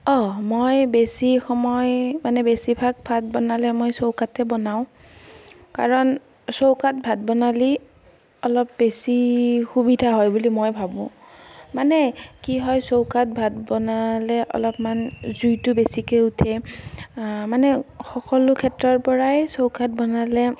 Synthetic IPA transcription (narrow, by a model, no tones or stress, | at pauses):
ɔmojbesixɔmɔjmanɛbesibʱaɡ̚bʱat̚bɔnalɛmojsowkatɛbɔnaʊ̃ | ka̰ɹɔn | sowkat̚bʱat̚bɔnali | ɔlɔp̚besixubidʱaɦɔjbulimojbʱabʊ̰̃ | manɛkiɦɔjsowkat̚bʱat̚bɔnalɛʔɔ̰lɔpmanzujtʊbesikeutʰɛ | manɛxɔkɔlʊkʰɛtɹɔɹpɔɹajsowkʰat̚bɔnalɛ